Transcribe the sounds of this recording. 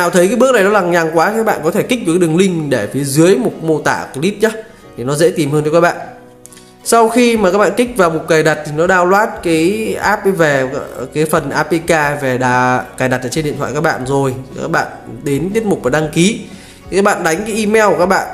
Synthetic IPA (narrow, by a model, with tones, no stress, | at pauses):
a˨˩wt̪ʰə˨˦jkaː˨˦ɓk̚na˨˩jɗɔ˨˦laː˨˩ŋɲaː˨˩ŋkwaː˨˦˨kaː˦˥ɓa̰ː˧˨kɔ˨˦t̪ʰe˧˩ki˦˥ɨ˨˩˨kːaː˨˦ɗɨ˨˩əŋlï˧ŋ̟ɗe˧˩fi˨˦əzɨ˨˦əjmo˨˩t̚mo˧t̪a̰ː˧˩˨li˦˥p̚ɲa˦ | t̪ʰi˨˩nɔ˨˦zḛ˧˥t̪i˨˩mhɨː˧nt͡ɕɔ˧˩kaː˦˥kɓa̰ː˧˨n | sa˧wxi˧maː˨˩kaː˦˥ɓa̰ː˧˨nkï˦˥k̚vaː˨˩wmo˨˩t̚kaː˨˩jɗa˨˩t̚t̪ʰi˨˩nɔ˨˦ɗaː˧wlwaː˦˥t̚kaː˨˦jʔaː˦˥p̚jve˨˩kaː˨˦jfə˨˩nʔaː˧pe˧kaː˧ve˨˩ɗaː˨˩kaː˨˩jɗa˨˩t̚ʔəː˧˩t͡ɕe˧nḭ˧˨t̪ʰwa̰˧˨kaː˦˥k̚ɓa̰ː˧˨nzo˨˩jka̰ː˦˥k̚ɓa̰ː˧˨nɗe˨˦nt̪i˦˥ət̚mʊ˨˩k͡p̚vaː˨˩ɗa˧ŋki˨˦˨ | kaː˦˥k̚ɓa̰ː˧˨nɗa˨˦jŋ̟ka˨˦ʔi˧mɛ˧wkaː˦˥k̚ɓa̰ː˧˨n